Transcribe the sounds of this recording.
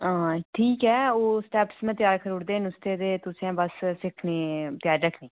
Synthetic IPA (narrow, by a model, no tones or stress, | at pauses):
ãːʈʰiːkɛːoːsʈɛːpsmɛ̃ːt̪ɪjaːɾkʰəɾuːɽd̪eːnʊst̪eːd̪eːt̪ʊsiãːbəssɪkʰneːt̪ɪjaːɾɾəkʰneː